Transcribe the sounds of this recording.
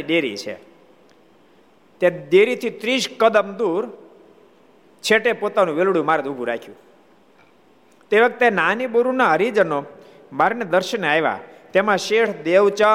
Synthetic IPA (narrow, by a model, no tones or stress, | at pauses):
id̪eɾḭt͡ʃʰḛ | t̪ad̪eɾit̪ʰit̪ɾiʃkəd̪əmd̪uɾ | t͡ʃʰeʈepot̪anũʋelɽjũmaɾd̪uɡʱũɾa̰kʰjṵ̃ | t̪eʋək̚t̪enaniboɾunaɦəɾid͡ʒəno | maɾned̪əɾʃənajʋa̰t̪emãʃeʈd̪eʋt͡ʃa